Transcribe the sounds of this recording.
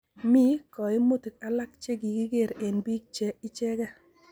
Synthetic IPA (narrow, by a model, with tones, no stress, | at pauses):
mi˦kɔ˨ɪ˦mo˦ti˨ka˦la˦k̚t͡ʃe˦ɡi˨ki˦ɡe˦˨ɾe˨nbi˦k̚t͡ʃɛ˦ɪ˦t͡ʃɛ˦ɡa˦